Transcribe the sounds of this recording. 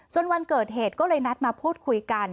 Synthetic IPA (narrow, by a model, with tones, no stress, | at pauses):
t͡ɕo˧nwa˧nkɤː˨˩t̪̚ɦeː˨˩t̪̚kɔː˥˩lɤː˧jna˦˥t̪̚maː˧pʰuː˥˩t̪̚kʰu˧jka˧n